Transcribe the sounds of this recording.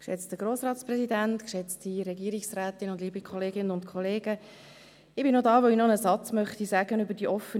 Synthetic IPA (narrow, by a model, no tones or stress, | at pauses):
kʃɛ̰t͡stəɡ̥ɾoːsrɑːtsprɛsidænt̪kʃɛt͡stiɾɛɡiəɾiksræːtɪnʊndliːbikʰχɔleːɡɪnənʊntkʰɔleːɡ̥ə | ɪb̥ɪnodɑːʋoinɔnəsɑt͡smœχt̪isæɡənʏbəɾdiʔɔfːən